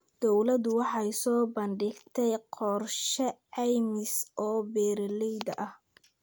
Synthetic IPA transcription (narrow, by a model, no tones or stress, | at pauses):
d̪̥ɔwlɐd̪ʊwɑħɑjsɔːbɐnɖɪɡt̪ʰɛjqɔrʃɛʕɛjmɪsʔɔːbɛːɾlɛjd̪ɐʔɐh